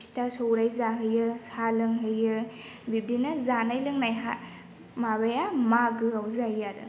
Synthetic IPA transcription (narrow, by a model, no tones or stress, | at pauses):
pʰi̥tasowɾajzaɦəjɯsalɯŋɦəjɯ | bib̚dinɐzanajlɯŋnajɦa̰ | mabajamaɡɯawzajaɾɯ̰